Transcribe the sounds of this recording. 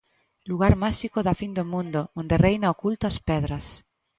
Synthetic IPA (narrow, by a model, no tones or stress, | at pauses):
luɣ̞aɾmaʃikoðafind̪omũnd̪oond̪erejnaokult̪oaspɛðɾas